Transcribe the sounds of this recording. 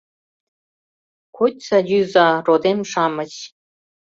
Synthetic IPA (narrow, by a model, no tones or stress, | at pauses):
kʰotʲsɑjyzɑrod̪emʃɑmə̆t͡ɕ